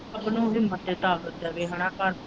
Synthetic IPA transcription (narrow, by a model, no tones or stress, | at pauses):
pnũːɦɪmːət̪ːeːt̪aːkət̪ːɛːʋeːɦəɽ̃ãːkaːɾ